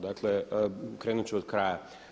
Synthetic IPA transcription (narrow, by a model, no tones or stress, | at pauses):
d̪aklekɾeːnut͡ʃɛod̪̥kɾaja